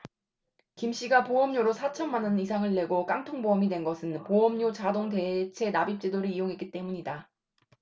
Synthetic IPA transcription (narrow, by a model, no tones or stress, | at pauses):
kimɕ͈iɡapoʌmɲoɾosʰat͡ɕʰʌnmanʌnisʰaŋɯɭːe̞ɡok͈aŋtʰoŋboʌmidwe̞nɡʌsʰɯnpoʌmɲot͡ɕadoŋte̞t͡ɕʰe̞nabip̚t͡ɕ͈edoɾɯijoŋɦe̞k͈it͈e̞muɲida